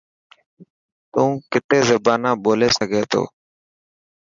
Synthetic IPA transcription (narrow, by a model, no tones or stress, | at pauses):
t̪ũːkɪt̪eːzəbaːnãːɓoːleːsəɡʱeːt̪ʰo̰ː